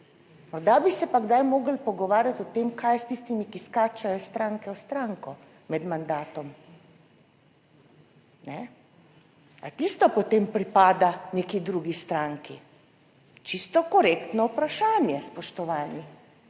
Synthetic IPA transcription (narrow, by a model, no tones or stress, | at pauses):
mɔɾd̪abisɛpaɡd̪ajmoːɡəlpɔɡɔʋaːɾjat̪ɔt̪emkʰajst̪ist̪imikiskaːt͡ʃajɔst̪ɾaŋkɛɔst̪ɾaŋkɔ | mɛd̪mand̪aːt̪ɔm | nɛ | a̰t̪ist̪ɔpɔt̪eːmpɾipaːd̪aneːkid̪ɾuɡist̪ɾaŋki | t͡ʃist̪ɔkɔɾekt̪nɔupɾaʃaːnjɛspɔʃt̪ɔʋaːni